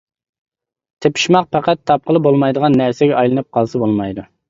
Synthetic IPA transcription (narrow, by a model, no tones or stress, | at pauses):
t̪ʰepʰi̥ʃmɑq̚pʰæqɛt̪ʰːɑp̚qʰəlˠɨbolˠmɑjd̪əʁɑnːæɾsɪɡʲɛɑjlˠɨnɨp̚qʰɑlˠsɑbolˠmɑjd̪u